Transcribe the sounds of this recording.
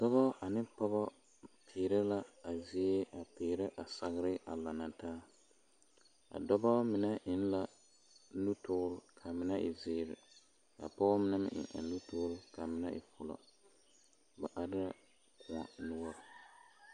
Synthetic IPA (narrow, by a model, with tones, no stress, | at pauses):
dɔ˦bɔ˦a˨nɪ˦pɔ˦bɔ˦ | pʰɪː˨ɾɪ˦la˦a˨zi˦e˦a˨pɪː˨ɾɪ˦ʔa˨sa˨ɣɪ˦ɾɪ˦ʔa˨la˨na˨taː˦ | a̰˨dɔ˦bɔ˦mɪ˨na˦ʔɪ˦n˦la˦ | nu˦tʊː˦lkʰa˨mɪ˦na˦ʔɪ˨zɪː˦ɾɪ˨ | ka̰˨pɔ˦bɔ˦mɪ˦na˦mɪ̰˦ʔɪ̰˨ʔa̰˨nu˦tʊː˦lka˨mɪ˦na˦ʔɪ̰˨fʊ˨la̰˨ | ba˨ʔa˦dɪ˦a˦ | kʊ˨a̰˨nʊ˦ɔ˦ɾ